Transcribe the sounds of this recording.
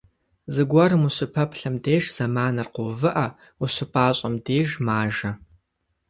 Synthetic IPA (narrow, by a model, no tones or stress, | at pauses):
zɨɡʷɐɾɨmuɕɪpʰɐpʰɬɐmdeːʒz̥ɐmaːnɐrqʷovɨʔɐ | uɕɪpʼaːɕʼɐmdeːʒmaːʒɐ